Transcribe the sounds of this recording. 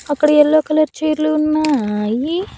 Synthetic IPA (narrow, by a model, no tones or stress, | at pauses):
ɐkːɐɽɐɛlːoːkɐlɐɾt͡ʃeːɾluunːaːji